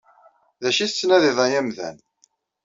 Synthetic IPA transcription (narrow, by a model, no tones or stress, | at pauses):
ðæʃiθt͡sːnæðiðˤɑjæmðæ̰n